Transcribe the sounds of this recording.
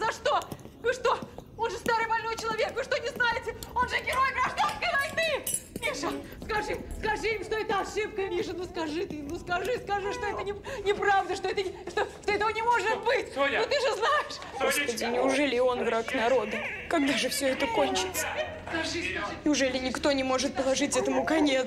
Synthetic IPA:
zɐʂt̪o̞vɨʂt̪o̞onʐɨst̪aɾɨjbɐlʲnojt͡ɕɪlˠɐvʲekvɨʂt̪onʲɪznajɪtʲɪo̞nʐɨɡʲɪɾojɡʲaʐd̪akəvɐjt̪ɨmʲiʂɨ | skɐʐɨskɐʐɨɪmʂt̪o̞ɛt̪əɐʂɨp̚kəmʲiʂɨnuskɐʐɨt̪imnuskɐʐɨskɐʐɨʂt̪o̞ɛt̪ənʲɪnʲɪpɾavd̪əʂt̪o̞ɛt̪əʂt̪oʂt̪oɛt̪əvənʲɪmo̞ʐɨt̪̚bɨt̪ʲot̪ɨʐɨznajɪʂ | ɡospədʲɪnʲɪʊʐɛlʲɪo̞nvɾaknɐɾo̞d̪əkɐɡ̚d̪aʐɨfsʲɵɛt̪əkonʲt͡ɕɪt̪sə̥skɐʐɨnʲɪʊʐɛlʲɪnʲɪkt̪o̞nʲɪmo̞ʐɨt̪̚pəlˠɐʐɨtʲɛt̪əmʊkɐnʲe

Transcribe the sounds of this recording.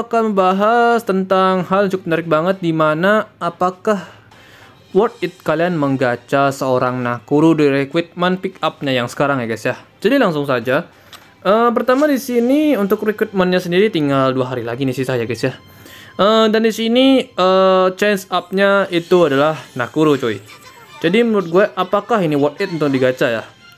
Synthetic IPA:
kaməmbaɦast̪ənt̪aŋɦalunt͡ʃ̪ʊk̚mənaɾɪk̚baŋət̪̚dimanaːpakah | wɔrt̪̚ɪt̪̚kalianməŋɡat͡ʃasəoɾaŋnakuɾudiɾikwɪt̪̚mənpikap̚ɲajaŋsə̥kaɾaŋjaɡasjahd͡ʒ̥adilaŋsʊŋsad͡ʒa | ʔəp̬ərt̪amadisiniunt̪ʊkrikwɪt̪̚mənɲasəndiɾit̪iŋɡalduaɦaɾilaɡinisisajaɡasjah | əmdandisiniət͡ʃɛnsap̚ɲait̪uadalahnakuɾut͡ʃoi | d͡ʒadiməɾʊt̪̚ɡuɛʔapakaɦiniwɔrt̪ɪt̪̚unt̪ʊkdiɡat͡ʃaja

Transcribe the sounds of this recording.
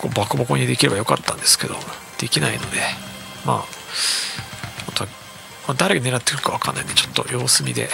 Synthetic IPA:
ko̰ːbakɯ̟bakoɲ̟id̪e̞kʲiɾe̞bajo̞kat̪ːãnd̪e̞sɨ̥ke̞d̪o̞̰ | d̪̥e̞kʲinaino̞̰d̪e̞ | ma̰ː | mot̪oa | mad̪aɾeɡane̞ɾat̪ːekɯɾɯkaβ̞akanːaind̪et͡ɕo̞̥t̪ːo̞̰jo̞ːsɨmʲid̪e̞̰

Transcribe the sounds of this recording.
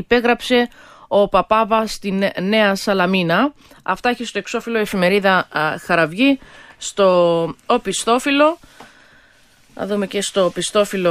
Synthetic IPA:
ipe̞ɣɾɐpse̞o̞pɐpɐvɐst̪inne̞ɐsɐlɐminɐ | ɐft̪ɐeçist̪o̞e̞kso̞filo̞e̞fime̞ɾiðɐxɐɾɐvʝist̪o̞opist̪o̞filo̞ | nɐ̰ðume̞ce̞st̪o̞pist̪o̞filo

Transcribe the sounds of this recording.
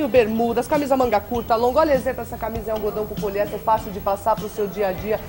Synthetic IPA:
ʊbeɾmud̪ɐskamizɐmɐ̃ŋɡakuɾt̪ɐalõɡʊɔʎɐezẽplʊɛsɐkamizɐɛũɡod̪ɐ̃w̃kʊ̃koʎɛt̪ɛfasiwd͡ʒɪpasaɾpɾʊsewd͡ʒiɐd͡ʒiɐ

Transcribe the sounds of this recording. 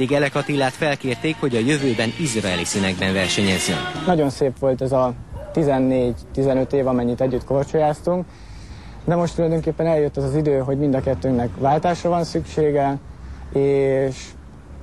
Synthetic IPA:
d̪iɡɛlɛkɒt̪ilːaːt̪fɛlkeːrt̪eːkho̞ɟɒjøvøːbɛnizraɛlisynɛɡ̚bɛnvɛrʃɛɲɛzːø̰nnɒɟo̞nseːpʋo̞lt̪ɛzɒt̪izɛnːeːɟt̪izɛnø̞t̪eːvɒmɛɲːit̪ɛɟːyt̪̚kort͡ʃojaːst̪uŋk | d̪ɛmo̞ʃt̪ulɒjd̪o̞ŋkeːpːɛnɛljøt̪ːɛzɒzid̪øːɦo̞ɟmind̪ɒkɛt̪ːøːnɛkʋaːlt̪aːʃrɒvɒnsykʃeːɡɛ | eːʃ

